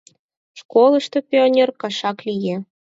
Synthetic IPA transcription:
ʃkolˠəʃt̪opʲionʲerkɑʃɑklije

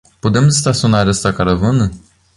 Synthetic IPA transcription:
put̪emzist̪asunaɾʲəst̪akaɾəvunə

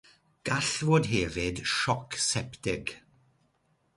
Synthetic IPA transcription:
ɡ̥aɬvoːdɦɛvɪdʃɔksɛptɪɡ

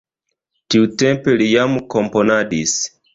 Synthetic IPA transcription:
tiutɛmpɛlijamukɔmpɔnaɗis

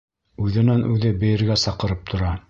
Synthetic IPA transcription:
ʉðɘ̆nænʔʉðɘbɘ̆jɘ̆ɾɡæsɑqɤ̆ɾɤp̚t̪ʰŏɾɑ

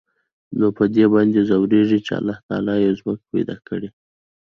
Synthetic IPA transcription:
nopəd̪ebɑnd̪ezawɾeʐit͡ʃea̰lːɑht̪ɑ̰lɑjezmək̚pajd̪ɑ̰kəɽe

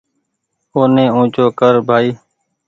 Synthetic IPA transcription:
oːnẽːũːt͡ʃoːkəɾbʱaːiː

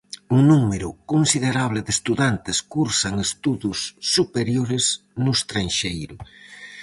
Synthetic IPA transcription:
uŋnumeɾʊ̰konsiðeɾaβ̞lɪðest̪uðant̪ɪskuɾsaŋest̪uðusːupeɾjoɾɪz | nʊst̪ɾaŋʃejɾʊ

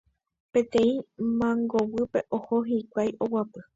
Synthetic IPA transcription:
pẽ̞t̪ẽ̞ĩmãŋɡowɨpe̞ʔohoɦikʷajʔowapɨ

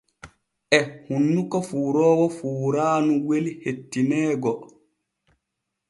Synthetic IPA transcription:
ʔɛhunːukɔfuːɾɔːwɔfuːɾaːnuwelihetːinɛːɡɔ

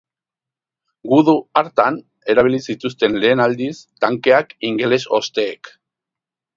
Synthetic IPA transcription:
ɡuðuaɾt̪an | e̞ɾaβ̞ilisit̪ust̪e̞nle̞ːnald̪ist̪aŋke̞akiŋɡe̞le̞so̞̰st̪e̞ːk

